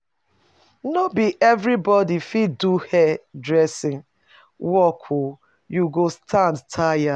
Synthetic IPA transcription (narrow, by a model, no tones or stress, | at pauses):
nɔbiʔɛvɾibɔdifiduhɛdɹɛsɪ̃ŋ | wɔkʰu | juɡostʰãndtʰaja